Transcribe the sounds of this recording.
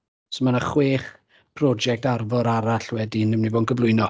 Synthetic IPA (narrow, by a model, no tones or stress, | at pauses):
sɔmanaχweːχ | pʰrɔd͡ʒɛk̚tarvɔɾaɾaɬwɛdinɪmnivoːdnɡʰəvlˠʊɨnɔ